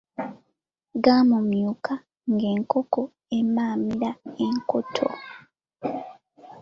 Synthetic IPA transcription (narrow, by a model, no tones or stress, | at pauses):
ɡaːmumjukʰa | ŋɡe̞ːŋkoko | emaːmiɾaeŋkotʰo̰